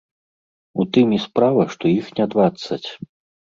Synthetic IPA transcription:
ut̪ɨmispɾavɐʂt̪ɔjixnʲɛd̪vat̪sːɐt͡sʲ

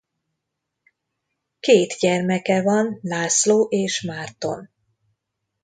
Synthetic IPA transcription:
keːt̪ɟɛrmɛkɛvɒnlaːsloːʔeːʃmaːrt̪o̞̰n

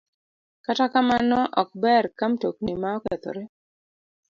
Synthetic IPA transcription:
katakamanɔʔɔk̚bɛrkamtok̚nimaɔkɛt̪o̰ɾe

